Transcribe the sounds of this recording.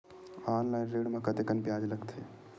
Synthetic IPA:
aːnlaːɪnɾeːɽmẽkɐt̪ekənpjaːd͡ʒlɐɡt̪ʰeː

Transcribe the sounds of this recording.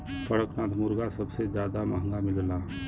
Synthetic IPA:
pəɽəknaːt̪ʰmʊɾɡasəbsed͡ʒjaːd̪aməɦəŋɡamɪlla

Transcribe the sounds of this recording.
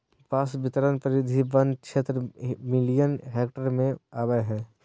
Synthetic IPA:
paːsbɪt̪əɾənpəɾɪd̪ʱibənkʃʰeːt̪ɾəmɪlijənɦeːkʈəɾmẽaːbəjɦɛː

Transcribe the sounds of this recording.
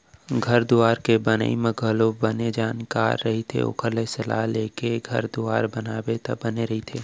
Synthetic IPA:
ɡʱɐɾd̪uaːɾkebənə̰imẽɡʱəlobəned͡ʒaːnka̰ːɾːɐɦit̪ʰḛʊ̰kʰəɾlesɐla̰ɦleːkeɡʱɐ̰ɾd̪uaːɾbənaːbet̪ɐ̰bəneɾɐɦit̪ʰeː

